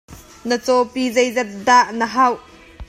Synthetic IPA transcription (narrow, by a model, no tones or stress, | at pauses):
nət͡sɔpizɐjzɐt̪̚d̪aʔnəɦɐw